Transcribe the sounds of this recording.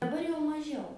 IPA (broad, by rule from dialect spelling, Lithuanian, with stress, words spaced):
dɐˈbɐr jɛʊ mɐˈʒʲɛʊ